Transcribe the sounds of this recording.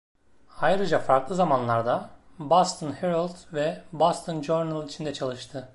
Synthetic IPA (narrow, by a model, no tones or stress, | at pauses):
ajɾɯd͡ʒafaɾklˠɯzamanlˠaɾd̪a | bast̪ʰɯnheɾalˠd̪vɛbost̪ʰɯnd͡ʒoɾnɯlˠit͡ʃʰind̪ɛt͡ʃʰalˠɯʃt̪ʰɯ